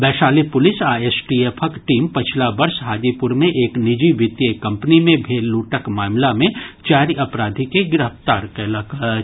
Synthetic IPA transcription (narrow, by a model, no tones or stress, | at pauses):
bɛːʃaːlipʊlɪsaːeːsʈiepʰəkʈiːmpɐt͡ʃʰlabɐɾsɦaːd͡ʒ̪ipʊɾmẽʔeːknɪd͡ʒiʋɪt̪jekɐ̃mpnimẽbʱeːlːuːʈəkmaːmlamẽt͡ʃaːɾiʔɐpɾaːd̪ʱikeɡɪɾəft̪aːɾkɛːlɐk